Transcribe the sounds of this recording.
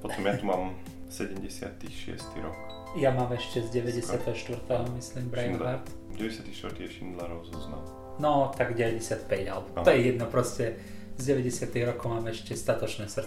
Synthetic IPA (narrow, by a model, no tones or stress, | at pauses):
pɔt̪ɔmjat̪umaːm | sɛɟɛmɟɛsɪa̰t̪ixʃɪɛ̰st̪ḭɾɔ̰k | jamaːmɛʃcɛzɟɛʋɛɟɛsɪat̪ɛɦɔʃt̪ʋr̩t̪ɛɦɔmisliːmbɾajnaɾt̪ɟɛʋɛɟɛsjat̪iʃt̪ʋɾt̪iɛʃind̪laɾɔʊzɔzna̰m | nɔt̪aɡɟɛʋɛɟɛsɪat̪pɛɟalɛbɔt̪ɔjɛjɛd̪nɔpɾɔscɛ | zɟɛʋɛɟɛsɪat̪iɣɾɔkɔʊmaːmɛʃcɛst̪at̪ɔt͡ʃnɛːsr̩